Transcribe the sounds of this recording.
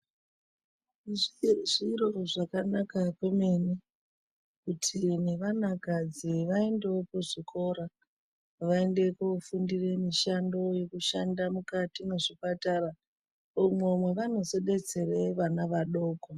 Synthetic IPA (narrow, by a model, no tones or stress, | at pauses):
ʐiro̞ʐakanakakwemeni | kutʰine̞ʋanaɡʱad͡ziʋae̞nde̞opoʐikʰo̞ɾa | ʋae̞nde̞kufundire̞miʃando̞jo̞kuʃandamukatine̞ʐipatara | umwomwe̞ʋano̞se̞ɗe̞t͡se̞re̞ʋanaʋaɗo̞ːko